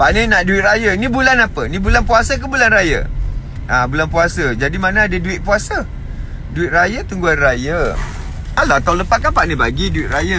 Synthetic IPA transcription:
paʔninaʔduɪt̪rajənibulanapənibulanpuasək̬əbulanrajə̰ | ʔabulanpuasəd͡ʒadimanəadəduɪt̪̚puasə | duɪt̪̚rajət̪uŋɡuanrajə | alat̪auwləpaʔ̪̚kapaʔnĩbaɡiduɪʔ̪̚raja

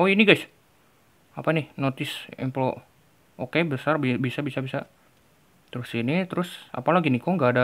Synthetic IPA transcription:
oiniɡajs | apanɪhnot̪ɪsɛ̰mplo | ʔokebəsarbbisabisabisa | t̪əɾʊsinit̪əɾʊsa̰palaɡinikoŋɡaːda

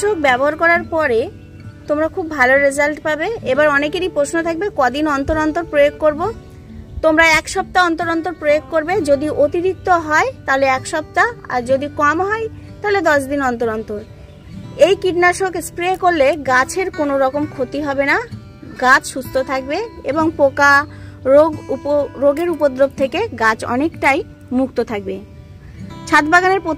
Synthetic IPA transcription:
ʃok̚bɛboɦaɾkɔɾaɾpɔɾe | t̪omɾakʰubːʱaloɾezalʈpabeebaɾɔnekeɾipɾoʃnot̪ʰak̚bekɔd̪inɔnt̪oɾɔnt̪oɾpɾojoɡ̚koɾbo | t̪omɾaɛkʃɔb̚t̪aɔnt̪oɾɔnt̪oɾpɾojoɡkːoɾbed͡ʑod̪iʔot̪iɾik̚t̪oɦɔet̪aleɛkʃɔp̚t̪aa̰ɾd͡ʑod̪ikɔmɦɔet̪aled̪ɔʃd̪inɔnt̪oɾɔnt̪oɾ | ejkiɖnaʃokespɾekoɾleɡat͡ɕʰeɾkonoɾɔkomkʰot̪iɦɔbena | ɡat͡ɕʰʃust̪ʰot̪ʰak̚beeboŋpokaoɡupoɾoɡeɾupod̪ɾoɡ̚t̪ʰekeɡat͡ɕɔ̰nekʈaj | muk̚t̪ot̪ʰak̚be | t͡ɕʰat̪baɡaneɾpo

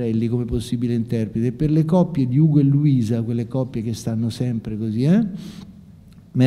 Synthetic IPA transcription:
ɾɛlːikomeposːibileint̪ɛrpɾet̪epːerlekɔpːjed̪iuːɡoelːuiːzakwelːekɔpːjek̟est̪anːosɛmpɾekoziɛ | me

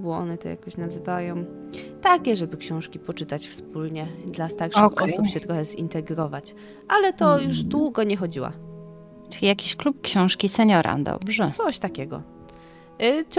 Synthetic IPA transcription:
bɨwɔɔ̰nɛt̪ɔ̰ja̰kɔɕnazvajɔ̃m | t̪akʲɛʐɛbɘkɕɔ̃w̃ʂkʲipɔt͡ʂɘt̪at͡ɕfsp̚ulɲɛd̪last̪aɾʂxʔɔsupɕɛt̪ɾɔxɛzḭnt̪ɛɡɾɔvat͡ɕ | ʔalɛt̪ɔjuʐd̪wuɡɔɲɛxɔd͡ʑiwa̰ | ijakʲiɕklup̚kɕɔ̃w̃ʂkʲisɛɲɔɾa̰d̪ɔ̰bʐɛɔɕt̪akʲɛɡɔ̰

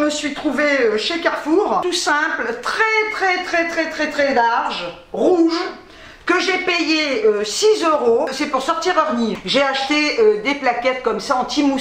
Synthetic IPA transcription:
məsɥit̪χuveøʃekaʁfuːʁt̪usɛ̃plt̪χɛt̪χɛt̪χɛt̪χɛt̪χɛt̪χɛlaʁʒ | ʁuʒ | kəʒepejeøsizøʁosɛpuʁsɔʁt̪iʁœʁniʒeaʃt̪eød̪eplakʲɛt̪̚kɔmsaɑ̃t̪imu

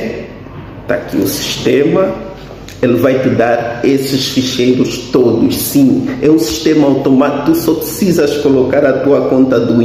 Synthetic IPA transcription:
t̪a̰kḭusi̥ʃt̪emɐ | elvajt̪ɪd̪aɾesɪʃfiʃejɾʊʃt̪od̪ʊʃsĩɛũsi̥ʃt̪emɐawt̪omat̪t̪usɔpɾɪsizɐʃkolokaɾɐt̪uɐkõnt̪ɐd̪ũ

